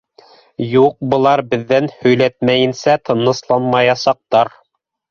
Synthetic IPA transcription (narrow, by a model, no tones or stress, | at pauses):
juq̚bɤ̆lˠɑɾbɘ̆ðːænhɵ̆jlæt̪mæjɘ̆nsæt̪ʰɤ̆nɤ̆slˠɑnmɑjɑsɑq̚t̪ɑɾ